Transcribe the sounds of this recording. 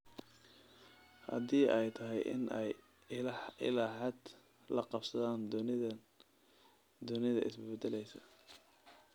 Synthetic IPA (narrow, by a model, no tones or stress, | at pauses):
hɐ̰ðiːʔɛjt̪ʰɐɦɛjʔɪ̰nɛj | ɪ̰laɦɛːd̪ | lɐqɑbsɐðaːnd̪nɪ | d̪ʊnɪðɐʔɪsbɛd̪ɛlɛjsɐ